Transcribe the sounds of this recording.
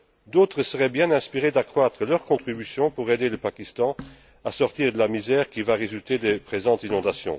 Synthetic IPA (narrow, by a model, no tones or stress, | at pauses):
d̪oːt̪χəsəʁɛbjɛ̃nɛ̃spiʁed̪akχwat̪χəlœʁkɔ̃t̪χibysjɔ̃puʁed̪eləpakʲist̪ɑ̃ | asɔʁt̪iːʁd̪əlamizɛːʁkʲivaʁezylt̪ed̪epχezɑ̃t̪zinɔ̃d̪asjɔ̰̃